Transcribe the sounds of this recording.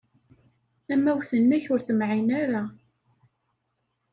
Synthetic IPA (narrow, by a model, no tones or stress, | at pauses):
æmːæwθənːæçʊɾθəmʕinæɾa